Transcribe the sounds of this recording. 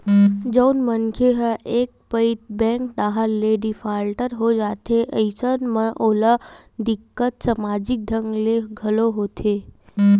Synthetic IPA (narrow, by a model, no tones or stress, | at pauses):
d͡ʒəwnmənkʰeɦəʔek̚pəit̪̚bɛ̃ŋkd̪aːɦəlːeɖifʰaːlʈəɾɦod͡ʒat̪ʰeʔəɪsənməʔolə | d̪ɪkːət̪səmad͡ʒɪk̚d̪ʱəŋɡleɡʱəloɦot̪ʰe